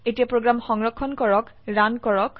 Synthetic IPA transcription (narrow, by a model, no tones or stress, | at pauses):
etijapɹoɡɹamxɔŋɹɔkʰːɔnkɔɹɔkɹankɔɹɔk